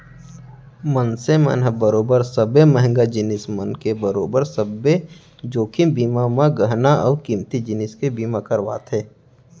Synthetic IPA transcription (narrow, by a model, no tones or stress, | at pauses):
mənsemə̰nəbəɾoːbəɾsəbeməɦɪ̃ŋɡad͡ʒɪnɪsmənkebəɾoːbəɾsəbe | d͡ʒoːkʰɪmbiːmamãɡəɦnaɔːɾkiːmt̪id͡ʒɪnɪskebiːmakəɾʋa̰ːt̪ʰeː